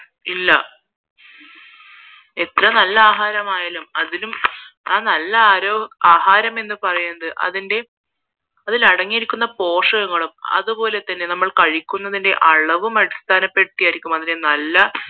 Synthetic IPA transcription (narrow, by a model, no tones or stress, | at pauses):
ilːɐ | e̞t̪rɐnɐlːɐaːɦaːɾɐmaːjaːlumɐðilumaːnɐlːɐaːɾoːaːɦaːɾɐme̞nːɨpɐrɐjunːɐðɨʔɐ̰ðinde̞ | ɐðilɐɽɐŋːijeɾikʲːunːɐpo̞ːʂɐɣɐŋːɐɭumɐ̰ðupo̞ːle̞t̪ːɐnːe̞nɐmːɐɭkɐɻikʲːunːɐðinde̞̰ʔɐɭɐʋumɐɽist̪ʰaːnɐpːeʈːijaːjiɾikʲːumɐðinde̞nɐlːɐ